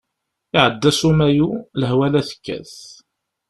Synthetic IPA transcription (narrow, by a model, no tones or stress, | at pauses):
ɪʕəd̪ːæsumæjuləɦwælæθə̥kːæ̰θ